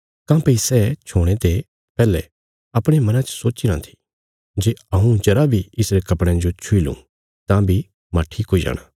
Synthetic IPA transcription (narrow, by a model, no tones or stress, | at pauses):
kãːpɐisɛt͡ʃʰoːɽ̃et̪e | pɛːlɛ | ɐpɽ̃emɐnãt͡ʃə̥soːt͡ʃiɾãt̪ʰi̥ | d͡ʒeɐɦũd͡ʒɐɾabʱiɪsɾekɐpɽ̃ɛ̃d͡ʒot͡ʃʰʊilṵ̃ | t̪ãbʱi | maːʈʰiːkɦoːid͡ʒa̰ːɽ̃a̰ː